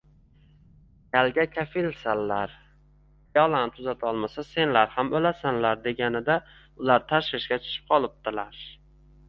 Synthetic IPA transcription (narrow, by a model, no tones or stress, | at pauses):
kʲalɡʲakʲʰafɪlsanlaɾ | jɒlˠant̪ʰʊzat̪ʰɒlˠmasase̞nlaɾhamolasanlaɾd̪e̞ɡʲanɪd̪a | ʊlaɾt̪ʰaʃvɪʃɡʲat͡ʃʰʊ̥ʃʰɪ̥p̚qʰɒlˠɪp̚t̪ɪlaɾ